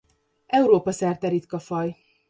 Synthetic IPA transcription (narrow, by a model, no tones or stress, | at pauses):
ɛuɾoːpɒsɛrt̪ɛɾit̪kɒfɒj